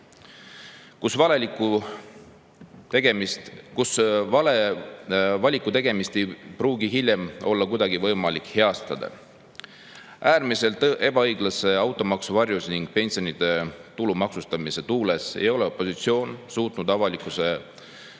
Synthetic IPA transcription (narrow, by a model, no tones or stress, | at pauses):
kusvɑleiku | eɡemkusvɑle | vɑlʲikːˑut̪e̞ɡ̥e̞mist̪e̞jpruːɡiɦilʲjemo̞lːɑkujd̪̥ɑɡivɤjmɑlikhe̞ɑst̪ɑd̪̥ɑ̰ | ʔæːɾmise̞lt̪ˑʔe̞b̥ɑɤjɡ̥lɑse̞ɑwt̪ːˑo̞mɑksuvɑrjusniŋɡ̥̚pe̞nʲsio̞nid̪̥e̞t̪ulumɑksust̪ɑmise̞t̪uːle̞sḛjo̞le̞opːˑo̞sit̪sio̞ːnsuːt̪nud̪ɑvɑlikːˑuse̞